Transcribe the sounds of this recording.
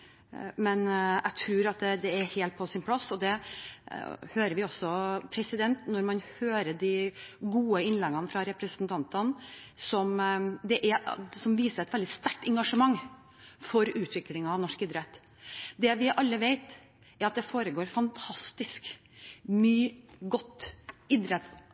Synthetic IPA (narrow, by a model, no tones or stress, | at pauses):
mɛnæ̰ɡt̪ʰɾuːɾɑt̪̚d̪ɛd̪ɛːɾheːlt̪̚pʰɔsɪnpʰlɑsːɔd̪ɛ | høːɾəɾʋɪɔsːɔpʰɾɛsɪd̪ɛnt̪nɔɾmɑnhøːɾəɖ̪ɪɡuːəɪnlɛɡɑnfɾɑɾɛpɾəsənt̪ʰɑnt̪ənsɔmd̪ɛʔæɾsɔmʋiːsəɾɛt̪ʋɛld̪ɪst̪æʈːɛŋɡɑʂəmɑŋː | fɔɾʉːt̪ʰʋɪklɪŋɑʋnɔʂkɪd̪ɾɛt̪ː | d̪ɛʋɪʔɑlːəʋeɪt̪ | ɛɾɑt̪̚d̪ɛfoːɾəɡoːɾfɑnt̪ʰɑst̪ɪsk | myːɡɔt̪ːɪd̪ɾɛt̪